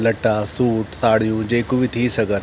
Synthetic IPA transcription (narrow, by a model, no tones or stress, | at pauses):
lɐʈaːsuːʈsaːɽ̤ijũd͡ʑeːkubit̪ʰisɐɡəɾ